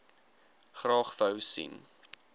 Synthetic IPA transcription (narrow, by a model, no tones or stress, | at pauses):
χrɑːχfəwsḭn